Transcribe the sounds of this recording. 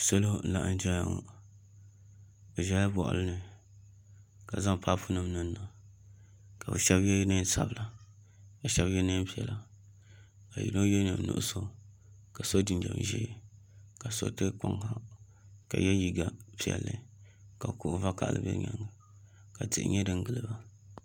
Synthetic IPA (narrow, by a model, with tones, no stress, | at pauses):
so˦lo˦˨la˦ʔn˦d͡ʒɛ˦a˨ŋo˦ | o˨ʒa˨˦a˦bɔ˨ʔʊ̰˨lɨ˦nɨ˨ | ka˨za˦m˨pʰa˦pʊ˦nɨ˦m˦nɨ˦nː˦a˨ | ka˨bɨ̰˨ʃɛ˦bjɛ˦nɨ˦sa˦bɨ˨la˨ | ja˨ʃɛ˦bjɛ˦nɨ˦n˦pi˦ɛ˨la˨ | ka˨jḭ˨no˦jɛ˦nɨ˨nʊ̰˨ʔʊ˦so˦ | ka˨so˦di˨ndɛ̰˨m˨ʒḭ˦˨ | ka˨so̰˦tɨ˦ka˦ŋha˦ | ka̰˨jɛ˦ji˨ɡa˨pi˨ɛ̰˨lːɨ˦ka˨kʊ˨ʔʊ˦va˦ka˨ʔlɨ̰˦bɛ̰˦ɲa̰˨˦ŋa˨ | ka˨tɨ̰˨ʔɨ̰˦ɲɛ˦dɨ˦ŋ˦ɡɨ˨lɨ˦ba˦